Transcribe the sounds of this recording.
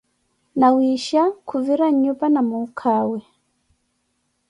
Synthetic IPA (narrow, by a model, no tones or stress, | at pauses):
nawiʃakʰuviɾaɲupanamukʰawɛ